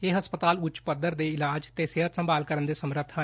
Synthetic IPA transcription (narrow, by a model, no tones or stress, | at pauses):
eɦɐspət̪aːlʊt͡ʃpəd̪əɾd̪eɪlaːd͡ʒt̪eːseɦət̪sə̃mbaːlkəɾənd̪esəmɾət̪ʰːə